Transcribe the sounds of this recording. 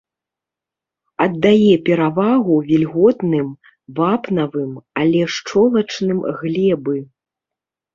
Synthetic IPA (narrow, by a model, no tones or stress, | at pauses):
ɐd̪ːajɛpʲɛɾavaɣuvʲilʲɣɔt̪nɨm | vapnɐvɨmɐlʲɛʂt͡ʂɔlˠɐt͡ʂnɨmɣlʲɛbɨ